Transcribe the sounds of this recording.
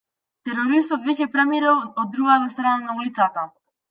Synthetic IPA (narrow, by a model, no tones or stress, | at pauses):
t̪ɛɾɔɾis̬t̪ɔt̪vɛcɛpɾamiɾalɔd̪ːɾuɡat̪ast̪ɾananaulit̪sat̪a